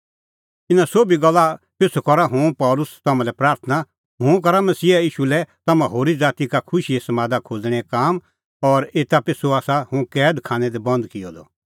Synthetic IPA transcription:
ɪnãsoːbiɡɐlːa | pɪsokɔɾaɦʊ̃pɔːlʊst̪ɐmãlɛpɾaːɾt̪ʰəna | ɦʊ̃ːk̬ɐɾamɐsiːɛiːʃulɛt̪ɐmãɦoːɾid͡zaːt̪ikakʰʊʃiesɐmaːd̪akʰoːd͡zɽ̃ɛkaːm | ɔːɾeːt̪apɪsoaːsahʊ̃kɛːd̪kʰaːñɛd̪ebɐ̃nd̪kɪjɔd̪ɔ

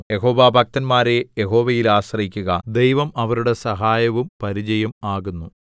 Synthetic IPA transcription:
jeɦo̞ːʋaːbʱɐk̚t̪ɐnmaːɾe̞jeɦo̞ːʋɐjilaːɕrɐikʲːuɣɐd̪ejʋɐmɐʋɐɾuɽe̞sɐɦaːjɐʋumpɐɾid͡ʑɐjɐmaːɣunːu

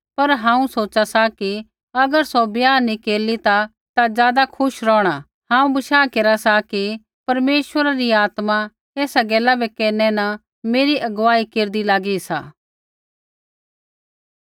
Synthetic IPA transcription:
pɐɾɦãːũsoːt͡ʃasaki | ɐɡəɾsobjaːikeːlit̪a | t̪azjaːd̪akʰʊʃɾɔːɽ̃a | ɦãːũbɐʃaːkeːɾasaki | pɐɾmeːʃwəɾaɾiaːt̪mã | eːsaɡɛːlabɛkɛːnɛnɐ | meːɾiʔɐɡʋaːikeːɾd̪ilaːɡisa̰ː

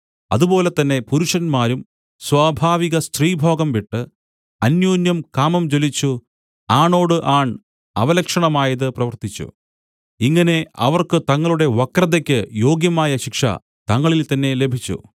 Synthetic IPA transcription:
ɐ̰ðubo̞ːle̞t̪ːɐnːe̞puɾuʂɐnmaːɾum | swaːbʱaːʋiɣɐst̪riːbʱo̞ːɡɐmʋiʈːɨ | ɐnjoːnjɐmkaːmɐmt͡ɕo̞lit͡ɕːu | aːɳo̞ːɽɨʔaːɳ | ɐʋɐlɐkʂɐɳɐmaːjɐðɨprɐʋɐrt̪it͡ɕːṵ | iŋːɐne̞ɐ̰ʋɐrkɨt̪ɐŋːɐɭuɽe̞ʋwɐkrɐðɐkʲːɨjo̞ːɡjɐmaːjɐɕikʂɐ̰ | t̪ɐŋːɐɭilt̪ɐnːe̞le̞bʱit͡ɕːṵ

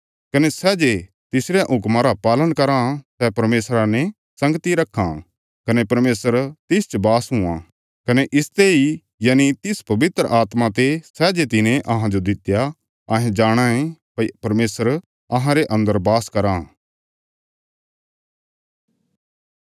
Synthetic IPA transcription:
kɐnesɛːd͡ʒe | t̪ɪsɾeʔʊkmãɾapaːlənkɐɾãsɛpɐɾmeːsɾanẽ | sɐ̃ŋɡt̪iɾɐkʰːã̰ | kɐnepɐɾmeːsəɾt̪ɪst͡ʃbaːsɦʊ̃ã | kɐneʔɪst̪eɦi | jaːnit̪ɪspɐbɪt̪ɾəʔaːt̪mãt̪̬esɛːd͡ʒet̪ɪnẽʔɐɦãd͡ʒod̪ɪt̪ja | ɐɦẽd͡ʒaːɽ̃ãẽpɐipɐɾmeːsəɾ | ɐɦãɾeʔɐ̃nd̪əɾbaːskɐɾã

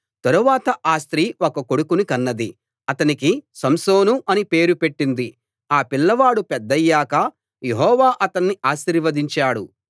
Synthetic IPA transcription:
t̪ɐɾuʋaːt̪ɐʔaːst̪ɾiːokɐko̞ɽukunikɐnːɐd̪i | ɐt̪ɐnikisɐmsoːnuʔɐnipe̞ːɾupe̞ʈːind̪i | aːpilːɐʋaːɽupɛd̪ːɐjːaːkɐ | jeɦɔːʋaːʔɐt̪ɐnːiʔaːst̪ɾiʋɐd̪iɲt͡ʃaːɽṵ

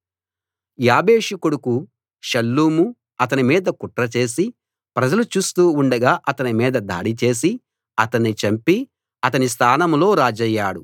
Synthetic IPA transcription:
jaːbe̞ːʂukuɽuku | ʃɐlːuːmu | ɐt̪ɐnimiːd̪ɐkuʈɾɐt͡ʃe̞ːs̬i | pɾɐd͡ʒɐlut͡ʃuːst̪uːuɳɖɐɡaːʔɐt̪ɐnimiːd̪ɐd̪a̰ːɽit͡ʃe̞ːs̬i | ɐt̪ɐnːit͡ʃɐmpi | ɐt̪ɐnis̬t̪ʰaːnɐmlo̞ːɾaːd͡ʒɐjːaːɽu

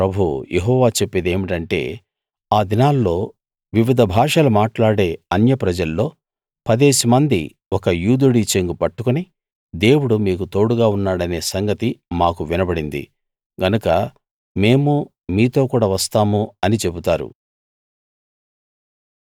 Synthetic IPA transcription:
pɾɐbʱujʔeɦɔːʋaːt͡ʃe̞pːed̪e̞ːmiʈɐɳʈe̞̰ː | aːd̪inaːlːo̞ː | ʋiʋid̪ʱɐbʱaːʂɐlumaːʈlaːɽe̞ːɐnjɐpɾɐd͡ʒɐlːo̞ː | pɐd̪eːsimɐnd̪ḭ | wɔkɐjuːd̪uɽit͡ʃeŋɡupɐʈːukuni | d̪e̞ːwuɽumiːk̬ut̪o̞ːɽuɡaːunːaːɽɐne̞ːsɐŋɡɐt̪imaːkuʋinɐbɐɽind̪ḭ | ɡɐnukɐ | me̞ːmu | miːt̪o̞ːkuːɽaːʋɐst̪aːmuɐnit͡ʃe̞but̪aːɾṵ

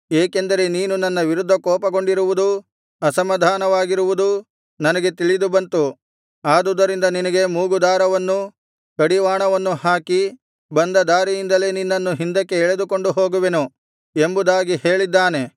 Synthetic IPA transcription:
eːkend̪ɐɾe̞niːnunɐnːɐʋiɾud̪ʱːɐkɔːpɐɡo̞ɳɖiɾuʋud̪u | ɐsɐmːɐd̪ʱaːnɐʋaːɡiɾuʋud̪u | nɐnɐɡe̞t̪iɭid̪ubɐnt̪u | aːd̪ud̪ːɐɾind̪ɐninɐɡe̞muːɡud̪aːɾɐʋɐnːu | kɐɽiʋaːɳɐʋɐnːuhaːki | bɐnd̪ɐd̪aːɾijind̪ɐle̞ːninːɐnːuɦind̪ɐkːe̞ːɭe̞d̪uko̞ɳɖuɦo̞ːɡuʋe̞nu | embud̪aːɡihe̞ːɭid̪ːaːne̞

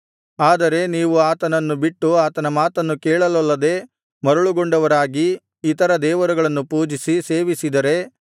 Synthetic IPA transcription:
aːd̪ɐɾe̞niːʋuaːt̪ɐnɐnːubiʈːuaːt̪ɐnɐmaːt̪ɐnːukɛːɭɐlɐlːɐd̪e̞ | mɐɾuɭuɡo̞ɳɖɐʋɐɾaːɡiː | t̪ɐɾɐd̪ɛːʋɐɾuɡɐɭɐnːupuːd͡ʒisiseːʋisid̪ɐɾe̞

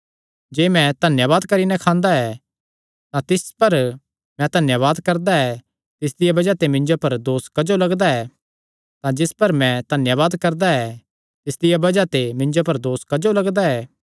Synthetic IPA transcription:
d͡ʒeːmɛ̃d̪ʱɐnjəʋaːd̪kɐɾinɛ̃kʰãːnd̪aɛ | t̪ãt̪ɪspɐɾ | mɛ̃t̪ɐnjəʋaːd̪kɐɾd̪aɛː | t̪ɪsd̪ɪjabɐd͡ʒat̪emɪ̃ɲd͡ʒopɐɾd̪oːskɐd͡ʒolɐɡd̪aɛː | t̪ãd͡ʒɪspɐɾmɛ̃d̪̥ʱɐnjəβaːd̪kɐɾd̪aɛ | t̪ɪsd̪ɪjabɐd͡ʒat̪emɪ̃ɲd͡ʒopɐɾd̪oːskɐd͡ʒolɐɡd̪aɛː

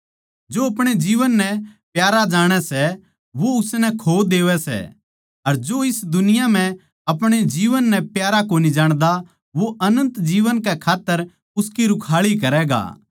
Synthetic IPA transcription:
d͡ʒoːɐpɽ̃ed͡ʒiːʋənːɛpjaːɾad͡ʒaːɽ̃ɛsɛ | ʋoʊsnɛkʰoːd̪eːʋɛsɛ̰ | ɐɾd͡ʒoːɪsd̪ʊnɪjam̤ɛ̃ | ɐpɽ̃ed͡ʒiːʋənːɛpjaːɾakoːnid͡ʒaːɽ̃d̪a | ʋoʔɐnə̃nt̪d͡ʒiːʋənkɛkʰaːt̪ːəɾ | ʊskiɾʊkʰaːɭik̬ɐɾɛɡa̰ː

